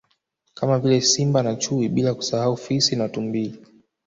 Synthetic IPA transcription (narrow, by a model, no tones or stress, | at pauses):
kamavilɛsimbanat͡ʃuiɓilaku̥sahaufisinatumbili